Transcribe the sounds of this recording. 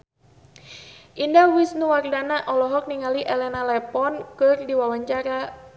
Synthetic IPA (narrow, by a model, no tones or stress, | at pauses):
ʔindawɪsnuwardanaʔɔlɔɦɔk̚niŋaliʔɛlɛnalɛpɔnkɨrdiwawaɲt͡ʃaɾa